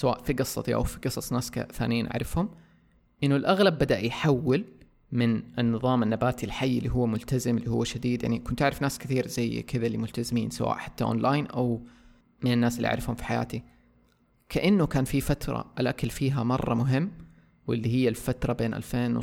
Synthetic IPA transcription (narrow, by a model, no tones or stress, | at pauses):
sawa̰ːʔfiɡɑsˤːɑt̪iʔa̰wfiɡɨsˤɑsˤnaːska̰θaːnɪjiːnʔa̰ʕɾˤɪfhʊm | ʔɪnːʊlʔaɣlabːad̪aʔjħawːɪl | mɪnʔɪnːɨðˤɑːmanːabaːt̪ilħajːlːiɦʊwːmʊlt̪azɪmɪlːihʊwːaʃad̪iːd̪ja̰ʕnikʊnt̪ʔaʕɾɪfnaːskɪθiːɾzajːkɪðalːimʊlt̪azɪmiːnsawa̰ːʔħḁt̪ːaʔo̰ːnlaːjnʔaw | mɪnɪnːaːsɪlːiʔa̰ʕɾɪfhʊmfi̥ħaja̰ːt̪i | kʰaʔanːʊkaːnfifat̪ɾˤɑ̰ʔɪlʔakalfiːɦamɑrˤːɑmʊɦɪmː | wɪlːiɦɪjːalfat̪ɾˤɑbeːnʔa̰lfeːnw